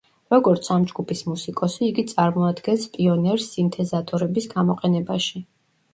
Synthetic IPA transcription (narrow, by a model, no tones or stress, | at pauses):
ɾɔɡɔɾt̪sʰamd͡ʒɡupʰismusikʼɔsiːɡit̪sʼaɾmɔad̪ɡɛnspʼiɔnɛɾsːint̪ʰɛzat̪ʼɔɾɛbisɡamɔqʼɛnɛbaʃi